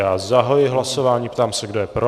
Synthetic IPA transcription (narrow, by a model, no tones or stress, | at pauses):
aːzaɦojɪɦlaso̞vaːɲiːpt̪aːmsɛɡdo̞jɛpɾo